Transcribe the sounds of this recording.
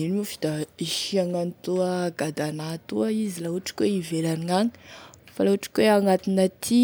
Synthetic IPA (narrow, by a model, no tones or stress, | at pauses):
inimufi̥d̪aiʃiaŋanit̪uəɡad̪anat̪uəizilauʈ͡ʂi̥kweivelaniŋaɲfalauʈ͡ʂi̥kweaŋat̪inət̪ʰi